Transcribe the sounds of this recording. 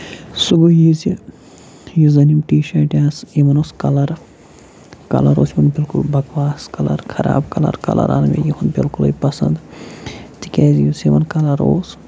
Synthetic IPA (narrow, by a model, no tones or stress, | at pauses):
suɡujizi | juzɐnimʈiːʃɐːʈʲaːsimɐnoskɐlɐɾ | kɐ̰lɐɾo̰ːsimɐnbilkulbɐkʋaːskɐlɐ̰ɾkʰɐɾa̰ːbkɐlɐ̰ɾkɐlɐ̰ɾʔa̰nmḛjuhunbilkulɐ̰jpɐsɐ̰̃nd̪ | t̪i̥kʲɛːzijusiʋɐnkɐlɐɾo̰ːs